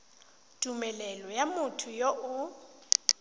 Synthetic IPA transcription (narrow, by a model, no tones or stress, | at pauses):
tʼumɛlɛlɔjamʊtʰʊjoʔʊ